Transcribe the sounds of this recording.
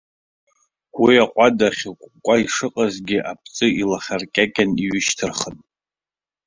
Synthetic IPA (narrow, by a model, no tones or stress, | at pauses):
wiaqʷʼadaχʲkʷʼkʷʼaiʂɨqʼazɡʲɪʔapʰt͡sʼɨilaχʲarkʲʼakʲʼaniɥɪʃtʰɨrχən